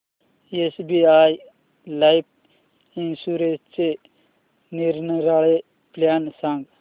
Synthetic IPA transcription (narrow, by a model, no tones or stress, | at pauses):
esbiaj | lajp̚ | insuɾest͡ʃe | niɾnəɾaɭe | plansãŋɡ